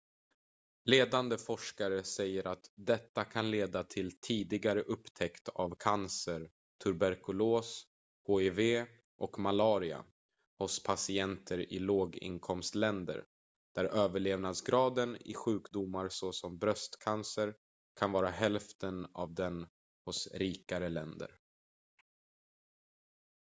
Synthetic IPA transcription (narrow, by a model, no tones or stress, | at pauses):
leːd̪and̪əfɔʂkaɾəsɛjːəɾʔat̪d̪ɛt̪ːakʰanleːd̪at̪ʰɪlt̪ʰiːd̪ɪɡaɾəʔɵpːt̪ʰɛkt̪avkʰansəɾ | t̪ʰɵɾbæɾkɵloːs | hoːɛveː | ʔɔkmalɑːɾɪa̰ | hʊspʰasɪɛnt̪ʰəɾɪ̰loːɡɪ̰nkʰɔmst̪lɛnd̪ə̰ɾ | d̪̥æɾʔøːvəɭeːvnad̪sɡɾɑːd̪ənɪ̰ɧʉ̟ːkd̪ʊmːaɾsɔsɔmbɾœst̪kʰansəɾ | kʰanvɑːɾaɦɛlft̪əna̰vd̪ɛn | hʊsɾiːkaɾəlɛnd̪ə̰ɾ